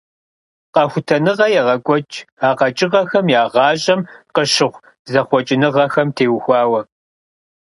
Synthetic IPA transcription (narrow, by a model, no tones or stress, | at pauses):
qɐxʷʊtʰɐnɨʁɐjɛʁɐkʷʼɔt͡ʃʼaːqɐt͡ʃʼɪʁɐxɐmjaːʁɑːɕʼɐmqəʃɪʁʷ | zɐχʷɔt͡ʃʼɪnɨʁɐxɐmtʰeːwxʷɑːwɐ